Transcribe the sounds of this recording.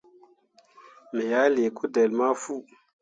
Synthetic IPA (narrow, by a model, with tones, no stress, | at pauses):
me˨ja˨˦le˨ku˦de˨lma˦fu˦